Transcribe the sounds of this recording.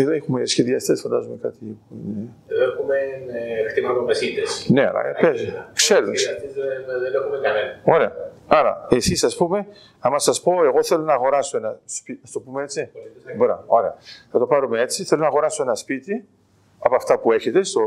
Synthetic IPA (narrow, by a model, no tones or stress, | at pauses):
eðoexumesçeðiɐst̪esfɐnd̪ɐ̰zume̞kɐt̪iipone | exumext̪imɐvomesid̪esne̞ɐ̰lɐ̰pekseɾunseðenexumekɐnenɐo̞ɾe̞ɐ̰ɐɾɐ̰esisɐspume̞ | ɐmɐsɐspo̞e̞ɣo̞θe̞lonɐːɣo̞ɾɐsoenɐspiɐst̪o̞pumeet͡siboɾɐ̰oɾe̞ɐ̰θɐt̪o̞pɐɾume̞e̞t͡siθelonɐːɣo̞ɾɐsoenɐspit̪i | ɐpoɐft̪ɐpue̞çe̞t̪e̞st̪o